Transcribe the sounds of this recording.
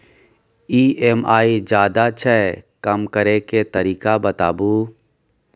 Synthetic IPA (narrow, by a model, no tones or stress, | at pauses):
iːemaːid͡ʒaːd̪at͡ʃʰɛkɐmkɐɾeket̪ɐɾiːkabɐt̪a̰ːbuː